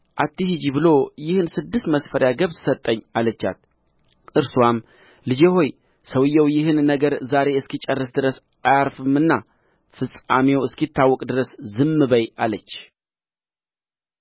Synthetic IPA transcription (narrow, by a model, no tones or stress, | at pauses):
ʔat̪ʰːihid͡ʒibɨlojɪhɨnsɨd̪ːɨst̪məsfəɾjaɡəβsət̪ʼːəɲːalət͡ʃːa̰t̪ | ʔɨɾsuam | lɨd͡ʒeɦo̞j | səwɨjːɛwjɪhɨnːəɡəɾzaɾe̞ɨskit͡ʃʼərːɨsd̪ɨɾəs | ʔajaɾfɨmɨnːa | fɨsʼa̰mewɨskjɪt̪ʰːawːɔkʼd̪ɨɾəszɨmːɨbəjalət͡ʃː